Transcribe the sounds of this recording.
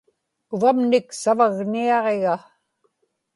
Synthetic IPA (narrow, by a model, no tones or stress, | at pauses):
ʊvamnɪksavaɣniɑʁe̞ɣa